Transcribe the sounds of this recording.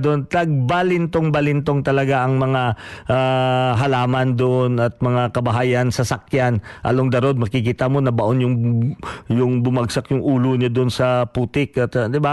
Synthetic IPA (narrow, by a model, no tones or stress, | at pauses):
d̪ont̪ɐɡ̚balɪnt̪oŋbɐlɪnt̪oŋt̪ɐlɐɡaʔɐŋmɐŋaʔaɦɐlaːmɐnd̪oʔonɐt̪̚mɐŋakɐbɐɦaːjɐnsɐsɐkjanʔɐ̰loŋd̪ɐɾo̞d̪̚mɐkɪkiːt̪amo̞nɐbɐʔonjʊŋ | jʊŋbʊmaɡsakjʊŋʔuːloɲad̪onsɐpuːt̪ɪkɐt̪d̪ɪba